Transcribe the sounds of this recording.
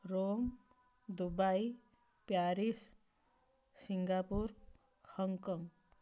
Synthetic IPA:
rom | d̪ubaj | pjaɾis | siŋɡapur | hʌŋkʌŋ

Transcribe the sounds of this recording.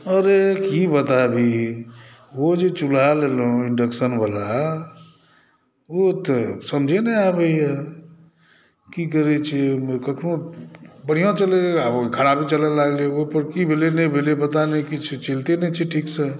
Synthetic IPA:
ɔɾekibət̪abʱi | ʋod͡ʒet͡ʃulalelõɪɳɖəksənbala | ot̪əsəmd͡ʒʱeneabəia | kikəɾet͡ʃʰimkəkʰnobəɽ̤ijãt͡ʃəleakʰaɽabʱit͡ʃələlaɡleeopəɾkibʱelenebʱelepət̪anikit͡ʃʰt͡ʃelt̪enɛt͡ʃʰiʈʰiːksə

